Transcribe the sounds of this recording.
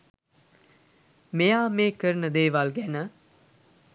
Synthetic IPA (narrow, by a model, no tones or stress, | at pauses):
mejaːmeːkəɾənəd̪eːʋalɡænə